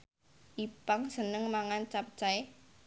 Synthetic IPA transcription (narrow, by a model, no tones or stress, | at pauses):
ʔipaŋsənəŋmaŋant͡ʃap̚t͡ʃae